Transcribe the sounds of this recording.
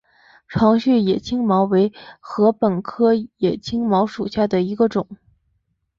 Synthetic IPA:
ʈ͡ʂʰwɑ˧˥ŋɕy˥˩jɛ˨˩t͡ɕʰi˥ŋmɑ˧˥ʊwe˧˥ɪxɤ˧˥pə˨˩nkʰɤ˥jɛ˨˩t͡ɕʰi˥ŋmɑ˧˥ʊʂu˨˩ɕja˥˩d̪ə˩i˧˥ɡə˧ʈ͡ʂʊ˨˩˦ŋ

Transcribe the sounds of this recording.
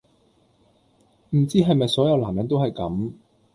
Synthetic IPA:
m̩˨˩t͡siː˥ɦɐ˨jmɐ˨jsɔː˨˥jɐ˨˧wlaː˨˩mjɐ˨˥nt̪o˥whɐ˨jkɐ̰˨˥m

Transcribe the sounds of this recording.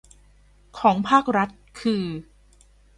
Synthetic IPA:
kʰɔː˩˦ŋpʰaː˥˩k̚ɾa˦˥t̪̚kʰɯː˧

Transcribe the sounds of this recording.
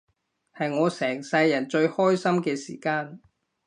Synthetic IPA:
hɐ˨jŋɔː˨˧sɛː˨˩ŋsɐ˧jːɐ˨˩nt͡ʃɵ˧ɥhɔː˥jsɐ˥mkɛː˧sḭː˨˩kaː˧n

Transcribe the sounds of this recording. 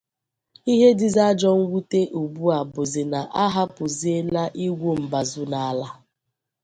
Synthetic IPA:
i˦ɦe˦dɪ˨za˦d͡ʒɔ˦ŋ̩˦ɡʷu˦te˦ʔu˨bu˦a˨bʊ˨zɪ˨na˨ʔa˦ɦa˦pʊ˨zi˦e˦la˦ʔi˦ɡʷu˦m̩˨ba˨zʊ˦na˨a˦la˦

